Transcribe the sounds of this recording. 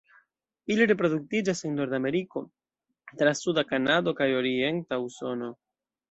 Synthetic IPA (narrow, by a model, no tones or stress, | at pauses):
iliɾepɾo̞d̪uk̚tid͡ʒasenːo̞ɾdame̞ɾiko̞ | t̪ɾasudakanado̞kajo̞ɾie̞ntauso̞no̞